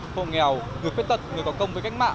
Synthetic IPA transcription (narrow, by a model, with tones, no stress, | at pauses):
ho̰˧˨ŋɛ˨˩wŋɨ˨˩əjfe˦˥t̪̚ə˨˩t̚ŋ˨˩jkɔ˨˦kə˧wŋ͡mvəː˨˦ka˦˥jk̚ma̰ː˧˨